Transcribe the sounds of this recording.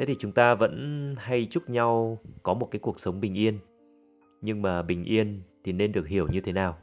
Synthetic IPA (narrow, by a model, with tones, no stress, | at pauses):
t̪ʰe˨˦t̪ʰi˨˩t͡ɕʊ˨˦ŋ͡mt̪aː˧və̰˧˥nha˧jt͡ɕʊ˦˥k͡p̚ɲa˧wkɔ˨˦mo˨˩kaː˨˦jku˨˩ək̚sə˨˦wŋ͡mɓï˨˩ŋ̟ʔi˧ən | ɲɨ˧ŋmaː˨˩ɓï˨˩ŋ̟ʔi˧ənt̪ʰi˨˩ne˧nɗɨ˨˩ək̚hi˧˩əwɲɨ˧t̪ʰe˨˦naː˨˩w